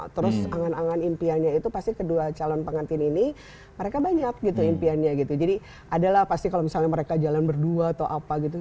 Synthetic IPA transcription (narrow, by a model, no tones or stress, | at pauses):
t̪əɾʊsaŋanaŋanimpianɲait̪upast̪ikəduat͡ʃalɔnpəŋant̪ɪnini | məɾekabaɲak̚ɡit̪uimpianɲaɡit̪ud͡ʒadi | ʔadalahpast̪ikalomisalɲaməɾekad͡ʒalanbərduaːt̪awʔapaɡit̪u